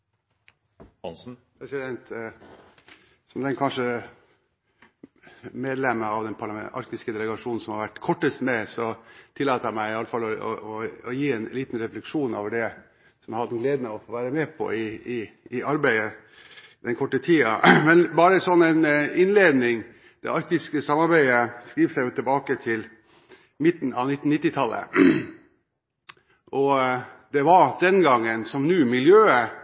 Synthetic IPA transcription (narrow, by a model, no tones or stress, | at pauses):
hɑns̩pʰɾɛsɪd̪ɛnt̪ | sɔmd̪ɛnkʰɑnʂə | meːd̪lɛmːəɑʋd̪ɛnpʰɑɾlɑɛʔɑ̰ɾk̚t̪ɪskəd̪ɛləɡɑʂuːnn̩sɔmhɑɾʋæʈːkʰɔʈːəst̪mɛsɔt̪ʰɪlːɑːt̪əæmæɪɪɑləfɑlːɔɔ̰ɔːjiːɛnliːt̪nɾɛflɛkʂuːnoːʋəɖɛ | sɔmhɑd̪nɡleːd̪nəɔfoːʋæːɾəmɛːpʰɔ̰ɪɪː | ɑɾbæɪə | d̪ɛnkʰɔʈːət̪ʰiːɑ̰mɛnbɑːɾəsɔnːæɪnɪnleːd̪nɪŋ | d̪̥ɛ̰ʔɑɾk̚t̪ɪskəsɑmːɑɾbæɪəskɾiːʋsæɪjʊt̪ʰɪlbɑːkət̪ʰɪl | mɪt̪ːn̩ɑ̰ʋnɪt̪ːn̩nɪt̪ːɪt̪ʰɑlːə̰ | ʔɔd̪̥ɛʋɑd̪ɛnɡɑŋːənsɔmnʉːmɪljøːə